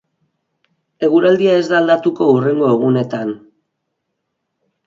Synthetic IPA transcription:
e̞ɣuɾald̪iae̞zd̪aːld̪at̪uko̞ure̞ŋɡo̞eɣ̞une̞t̪an

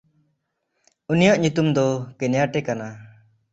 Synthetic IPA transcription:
unijɔʔɲut̪umd̪ɔkɛnjaʈɛkana

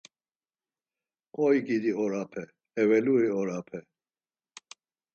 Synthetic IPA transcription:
qɔjɡid̪iɔɾapʰɛ | ɛvɛluɾiɔɾapʰɛ

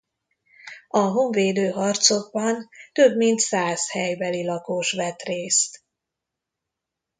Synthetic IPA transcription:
ɒɦo̞ɱveːd̪øːɦɒrt̪so̞ɡ̚bɒnt̪ø̞bmint̪saːshɛjbɛlilɒkoːʃʋɛt̪reːst̪

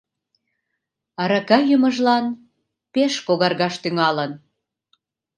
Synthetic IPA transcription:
ɑɾɑkɑjəmə̆ʒlɑn | peʃkoɣɑrɣɑʃt̪yŋɑlən

